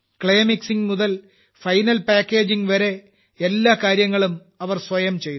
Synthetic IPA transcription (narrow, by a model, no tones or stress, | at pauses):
kɭɐjmiksiŋmuðɐl | fɐjnɐlpaːkʲːe̞ːd͡ʑiŋʋɐɾe̞ | elːaːkaːɾjɐŋːɐɭum | ɐʋɐrsʋɐjɐmt͡ɕe̞j̪